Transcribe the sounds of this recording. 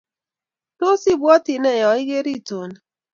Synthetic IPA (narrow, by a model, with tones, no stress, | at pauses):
no˦si˦˨bɔ˦ti˨nɛ˦˨jɔ˨i˦ɣe˦ɾi˦˨to˨n˨